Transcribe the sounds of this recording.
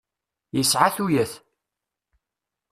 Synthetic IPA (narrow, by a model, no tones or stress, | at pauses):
jəsʕaθujæθ